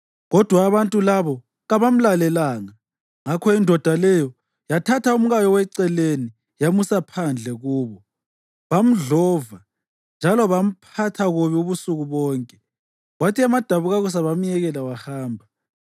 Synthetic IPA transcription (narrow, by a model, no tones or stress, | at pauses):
ɣɔd̥ʱwaːβantʼulaβɔ | ɣaβam̩lalɛlaːŋa | ŋakʰɔindʱɔd̥ʱalɛjɔ | jatʰatʰaum̩ɣajɔwɛǀɛleni | jamusapʰand͡ɮʱɛɣuːβɔ | βam̩ɮɔva | nd͡ʒʱalɔβam̩pʰatʰaɣuβiuβusuɣuβɔːŋkʼɛ | ɣwatʰiamad̥ʱaβuɣaɣus̬aβam̩jɛɣɛlawahaːmbʱa